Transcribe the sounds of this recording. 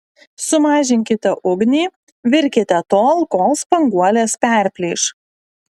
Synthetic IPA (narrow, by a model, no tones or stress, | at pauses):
sʊmɑːʒʲɪŋʲkʲɪt̪ʲɛʔʊɡnʲiː | ʋʲɪɾʲkʲɪt̪ʲɛt̪oːlˠkoːlˠspɐŋɡuɔlʲeːspʲæˑɾʲpʲlʲiːʃ